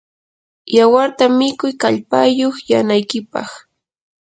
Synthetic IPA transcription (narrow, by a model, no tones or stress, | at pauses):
jawaɾt̪amɪkʊjkaʎpajoχjanajkɪpɑ̰χ